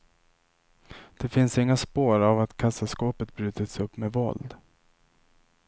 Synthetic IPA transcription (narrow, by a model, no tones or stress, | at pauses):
d̪̥ɛfɪnsɪŋːaspoːɾavat̪kʰasaskoːpət̪̚bɾʉ̟ːt̪ət̪sɵpːmɛvɔ̰ld̪